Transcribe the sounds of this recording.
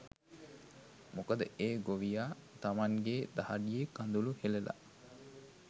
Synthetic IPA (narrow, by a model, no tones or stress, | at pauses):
mukəd̪əʔeːɡoʋijaːt̪amaŋɡeːd̪ahaɖijekand̪uluhelela̰